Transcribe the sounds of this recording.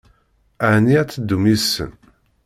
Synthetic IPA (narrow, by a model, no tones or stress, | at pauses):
aniæt͡sːəd̪ːumisːə̰n